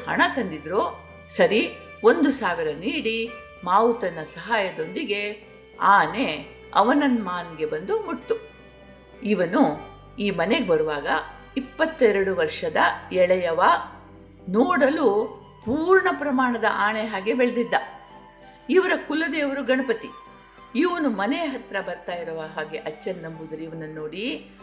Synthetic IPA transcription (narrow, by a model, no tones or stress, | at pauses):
hɐ̰ɳɐt̪ɐnd̪id̪ɾoː | sɐɾi | ond̪usaːʋiɾɐniːɽi | maːwut̪ɐnɐsɐɦaːjɐd̪o̞nd̪iɡe̞ | aːne̞ | ɐ̰ʋɐnɐnmaːnɡe̞bɐnd̪umuʈt̪ːu | iʋɐnu | iːmɐne̞ɡebɐɾuʋaːɡɐ | ipːɐt̪ːɛɾɐɽuʋɐɾʂɐd̪ɐɛɭɐjɐʋa | noːɽɐlu | puːɾɳɐpɾɐmaːɳɐd̪ɐ̰ʔaːɳeɦaːɡebeɭed̪id̪ːɐ | iʋɐɾɐkulːɐd̪eːʋɐɾuɡɐɳɐpɐt̪i | iʋɐnumɐneɦɐt̪ɾɐbɐɾt̪aːjiɾɐʋaɦaːɡe̞ʔɐt͡ʃːɐnːɐmbud̪ɐɾiʋɐnɐnːoːɽi